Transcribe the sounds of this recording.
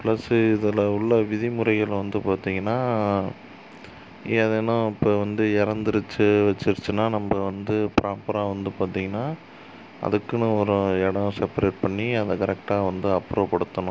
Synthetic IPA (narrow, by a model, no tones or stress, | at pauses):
plɐsɪðɯlɐʊɭːɐʋɪðɪmʊɾɐɪɣɐɭʋɐnd̪ɯpaːɾt̪iːŋɡɐnːaː | iɐðenːʊ̃ɪpːoːʋɐnd̪ɯɪɾɐnd̪ɯɾɯt͡ʃːɯʋɐt͡ʃːɯɾɯt͡ʃːɯnːaːnɐmbɐʋɐnd̪ɯpɾʔaːpɐɾaːʋɐnd̪ɯpaːɾt̪ĩŋɡɐnːaː | ɐ̰ðɯkːɯnɯ̃ɔɾɯ̃ɛɽɐ̃sɛpɐɾeːʈ̚pɐɳːiɐðɐkɐɾɛk̚ʈaːʋɐnd̪ɯɐpːɾoːpɐɽɯt̪ːɐnʊ̃